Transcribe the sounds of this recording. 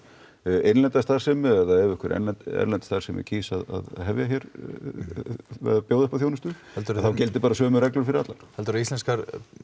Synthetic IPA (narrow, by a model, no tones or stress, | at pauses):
enlɛnt̪ast̪ḁːsɛmɪðaðɛvʏkʰvɛɾʔɛ̰nlɛnt̪ɛ̰ɾnlɛnt̪st̪aɾ̥sɛmɪ̰cʰiːsaða̰ðɦɛvjaçjɛɾ | vɛ̰ðapjoːwðʏhpaθjownʏst̪ʏɛlt̪ɾθawcɪlt̪ɪpaːɾasœːmʏrɛklʏɾfɪɾɪɾat̪laɾ̥ɛlt̪ʏɾist̪ɛnskaɾ